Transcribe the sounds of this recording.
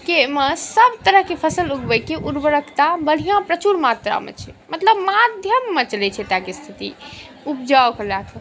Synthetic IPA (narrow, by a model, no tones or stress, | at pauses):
keməsəbt̪əɾəɦkepʰəsəluɡbəjkeʔuɾbəɾəkʰt̪abəɽ̤ijãpɾət͡ʃuɾmat̪ɾa̰mḛt͡ʃʰɛmət̪ləbmad̪ʱjəmːet͡ʃəlɛt͡ʃʰɛt̪akest̪ʰit̪ḭ | up̚d͡ʒawklakʰ